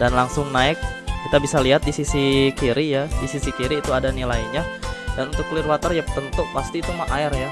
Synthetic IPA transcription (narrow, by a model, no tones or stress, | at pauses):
danlaŋsʊŋnaɪk̚kit̪abisaliɦat̪̚disisikiɾijadisisikiɾiːt̪uadanilaiɲadanunt̪ʊkːlɪrwat̪ərjapət̪ənt̪upast̪iːt̪umaʔaɪrja